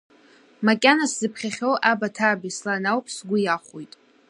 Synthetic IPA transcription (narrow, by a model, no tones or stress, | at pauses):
makʲʼanaszɨpʰχʲaχʲowʔabatʰabislanawpʰsɡʷʊjaχʷojtʼ